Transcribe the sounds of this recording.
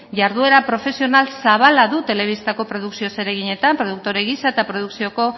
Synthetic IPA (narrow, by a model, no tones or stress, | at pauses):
ʝaɾðue̞ɾapɾo̞fe̞sio̞nalsaβ̞alaðut̪e̞le̞β̞ist̪ako̞pɾo̞ð̞uksio̞se̞ɾe̞ɣ̞iɲe̞t̪ampɾo̞ð̞uk̚t̪o̞ɾe̞ɣisaet̪apɾo̞ðuksio̞ko̞